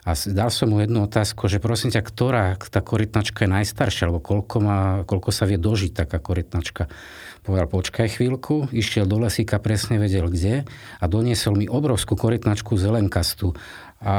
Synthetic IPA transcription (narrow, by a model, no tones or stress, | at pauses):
asd̪alsɔmɦujɛd̪nuɔt̪aːskuʒɛpɾɔsimcakt̪ɔɾaːt̪aːkɔɾit̪nat͡ʃkajɛnajst̪aɾʃɪaalɛbɔkɔlkɔmaːkɔlkɔsaʋɪɛd̪ɔʒic̚t̪akaːkɔɾit̪nat͡ʃka | pɔʋɛd̪alpɔt͡ʃkajxʋiːlkʰuiʃɪɛld̪ɔlɛsikapɾɛsɲɛʋɛɟɛlɡɟɛad̪ɔɲɪɛsɔlmiʔɔbɾɔʊskukɔɾit̪nat͡ʃkuzɛlɛŋkast̪u | a